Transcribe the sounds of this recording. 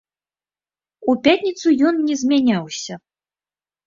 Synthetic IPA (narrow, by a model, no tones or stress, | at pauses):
upʲat̪ʲnʲit̪sujɔnːʲɛzʲmʲanʲawsʲɐ